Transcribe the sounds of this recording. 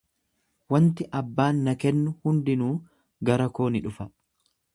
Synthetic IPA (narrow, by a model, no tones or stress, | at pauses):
wɐnt̪ɪʔɐbːaːnːɐkɛnːʊhʊnd̪ɪnuː | ɡɐɾɐko̞ːnɪᶑʊfɐ